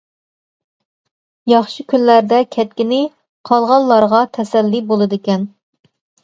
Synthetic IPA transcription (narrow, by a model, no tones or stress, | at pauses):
jɑχʃɨkʲʰynlæɾd̪ɛkʲʰɛt̪̚kʲinɪ | qʰɑlˠʁɑnlːˠɑɾʁɑt̪ʰɛsɛlːibolˠɨd̪ɪkʲɛn